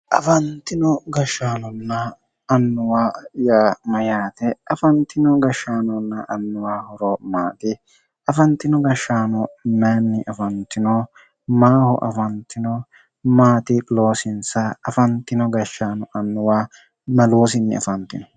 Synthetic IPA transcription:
ʔɐ̰fɐnt̪ːɪnɔɡɐʃːaːnɔnːɐː | nːʊwaːjaːmɐjaːt̪ɛɐfɐnt̪ːɪnɔɡɐʃːaːnɔnːɐʔɐnːʊwaːhɔɾɔmaːt̪ɪ | ɐfɐnt̪ːɪnɔɡɐʃːaːnɔmeːnːɪʔɐfɐnt̪ːɪnɔ | maːhɔ̰ʔɐ̰fɐnt̪ːɪnɔ | maːt̪ɪlo̞ːsɪnsɐɐfɐnt̪ːɪnɔɡɐʃːaːnɔʔɐnːʊwaː | mɐloːsɪnːɪ̰ɐ̰fɐnt̪ːɪnɔ

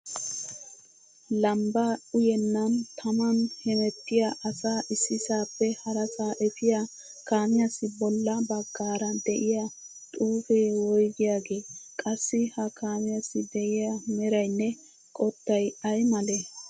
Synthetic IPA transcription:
lɐmbaːʊjɛnːɐnt̪ʰɐmɐnhɛmɛt̪ːɪjaʔɐsaːʔɪsːɪsaːpːɛhɐɾɐsaːʔɛfɪja | kaːmɪjɐsːɪbɔlːɐbɐɡːaːɾɐd̪ɛʔɪja | t̪ʼuːfeːwɔjɡɪjaːɡe̞ːkʼɐsːɪhɐkʰaːmɪjɐsːɪd̪ɛʔɪjamɛɾɐjnːɛ | kʼɔt̪ːɐjɐjmɐle

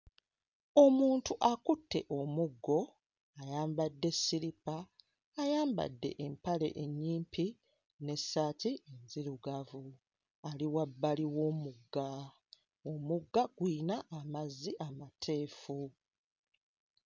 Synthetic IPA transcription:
o̞muːntuʔakutːe̞̰ʔo̞muɡːo̞ | ajaːmbadːe̞siɾipaː | jaːmba̰dːe̞̰ʔempale̞̰ʔeɲːiːmpi | ne̞sːaːtienziɾuɡavu | aliwabːaliwo̞ːmuɡːa | omuɡːaɡ̥wiːnaʔːmazːiʔamatʰe̞ːfu

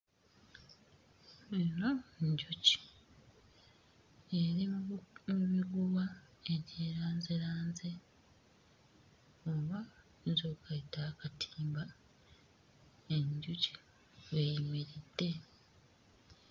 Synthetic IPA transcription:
inoɲɟuci̥ | eɾimuβiɡuβa | e̞ɾjeːɾaːnzeɾaːnze | oβa | nzokaitakatʰiːmba | eɲɟuci̥ | wejimiɾid̥ːe̞

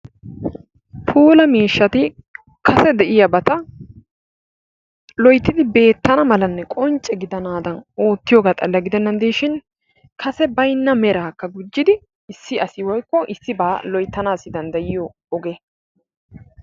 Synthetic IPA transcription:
pʰuːlɐmiːʃːɐt̪ɪ | kʰɐsɛd̪ɛʔɪjɐbɐt̪ɐ | lɔjt̪ːɪd̪ɪbe̞ːt̪ːɐnɐmɐlɐnːɛkʼɔnt͡ʃʼɛɡɪd̪ɐnaːd̪ɐno̞ːt̪ːɪjoːɡɐt̪ʼɐlːɐɡɪd̪ɛnːɐnd̪eːʃɪn | kʰɐsɛbɐjnːɐmɛɾaːkːɐɡʊd͡ʒːɪd̪ɪ | ɪsːɪɐsɪwɔjkːɔʔɪsːɪbaːlɔjt̪ːɐnaːsɪd̪ɐnd̪ɐjɪjɔː | ɡe

